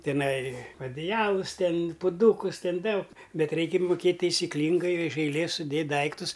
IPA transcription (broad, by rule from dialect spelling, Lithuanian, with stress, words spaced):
tʲɪˈnɐɪ ɐdʲɪˈjæːlˠʊs ˈtʲɛn pʊˈduːkʊs ˈtʲɛn ˈdɐʊk ˈbʲɛt ˈrʲɛɪkʲɛ mʊˈkʲeːtʲ tɐɪsʲɪˈklʲiːŋɡɐɪ ɪʃ ɐɪˈlʲeːs sʊˈdʲeːtʲ ˈdɐɪktʊs